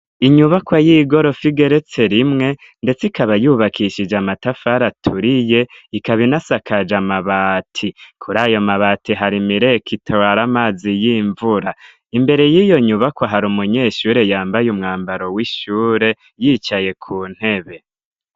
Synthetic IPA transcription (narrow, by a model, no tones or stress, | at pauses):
iɲuβakwajiːɡo̞ɾo̞fiɡe̞ɾe̞t͡se̞ɾimŋe̞ | nde̞t͡sikaβajuβakʰiʃid͡ʒamatafaɾatʰuɾije̞ikaβinasakad͡ʒamaβatʰikʰuɾaːjo̞maβaːtiɦaɾimiɾe̞kʰitʰawaɾamaːzijiːɱvuɾa | imbe̞ɾe̞jiːjo̞ɲuβakwaɦaɾumuɲe̞ːʃuːɾe̞jaːmbajumŋaːmbaɾo̞wiʃuːɾe̞ | jiːt͡ʃaje̞kʰuːn̥he̞βe̞